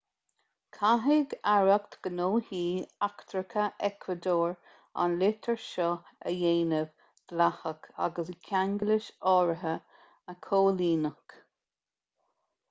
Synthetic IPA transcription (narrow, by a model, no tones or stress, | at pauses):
kʰaɦɪɡaɹəkt̪ɡ̥ənoːhiːakt̪ɾəkʰəʔɛkʰwəd̪oːɹ | a̰nlɪt̪ʰəɹʃɔə̰jeːnəv | d̪̥lahəkʰa̰ɡəskʲʰaŋɡəlɪʃɔːɹəɦə | əkʰoːliːnək